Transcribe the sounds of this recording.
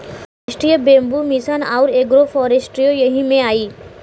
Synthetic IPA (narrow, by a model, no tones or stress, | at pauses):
aʃʈɾijəbẽːmbumisaːnaʊɾeːɡɾofʰɔːɾesʈɾijojɐɦimẽaːiː